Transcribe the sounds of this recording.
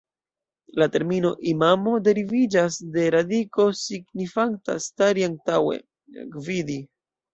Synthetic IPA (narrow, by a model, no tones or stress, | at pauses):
late̞ɾmino̞ʔimamo̞de̞ɾivid͡ʒasde̞ɾadiko̞siɡnifaŋta̰staɾiaŋtawe̞̰ | kvidi